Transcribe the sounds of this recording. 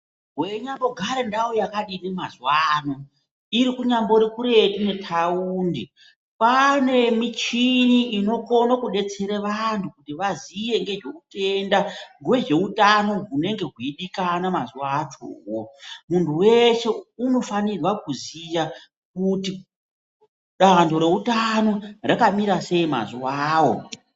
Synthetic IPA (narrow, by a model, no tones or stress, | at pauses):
ɦweɲambo̞ɡʱaɾendawojakaɗinimazwano | iɾikuɲambo̞ɾikuɾe̞tune̞tʰauːndi | pane̞mit͡ʃiniːno̞konokuɗe̞t͡se̞ɾeʋantʰukutiʋaziʋe̞ŋɡe̞ʐe̞kute̞ndaŋɡwe̞ʐe̞utano̞ɦune̞ŋɡe̞ɦwiiɗikanamazuat͡ʃo̰ːwo̞muntʰuwe̞se̞uno̞fanirwakuzija | k̚uti | ɗandʱo̞ɾe̞utano̞rakamiɾase̞ima̰zuwaːwo̞̰